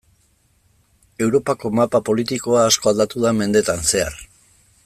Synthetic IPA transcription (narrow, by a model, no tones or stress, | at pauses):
e̞wɾo̞pako̞mapapo̞lit̪iko̞aːsko̞ald̪at̪uðame̞nd̪e̞t̪anse̞a̰r